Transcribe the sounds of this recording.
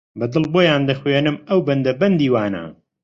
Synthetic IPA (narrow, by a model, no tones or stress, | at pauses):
bɐd̪ɨlboːjaːnd̪ɐxweːnɨmɐwbɐnd̪ɐbɐnd̪iːwaːnɐ̰